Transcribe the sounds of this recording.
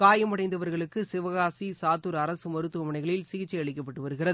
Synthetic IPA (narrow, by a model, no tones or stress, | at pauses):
kaːjɐmɐɽɐɪnd̪ɐʋɐɾɣɐɭɯkːɯsɪʋɐɣaːsisaːt̪ːuɾɐɾɐsɯmɐɾɯt̪ːɯɐmɐɳɐɪɣɐɭɪlsɪɣɪt͡ʃːɛɪɐɭɪkːɐpːɐʈːɯʋɐɾɯɣɪrɐðɯ